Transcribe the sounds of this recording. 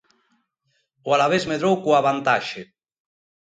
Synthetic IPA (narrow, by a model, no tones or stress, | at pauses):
oalaβezmeðɾowkuaβant̪aʃe